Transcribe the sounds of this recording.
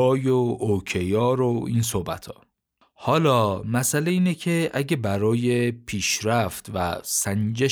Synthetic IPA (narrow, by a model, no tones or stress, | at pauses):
ɒːjoocʰejɒːɾoiːnsohbæ̰t̪ʰɒ̰ː | hɒːlɒːmæsæleiːnecʰeʔæɟebæɾɒːjepʰiːʃɾæft̪væ̰sænd͡ʒe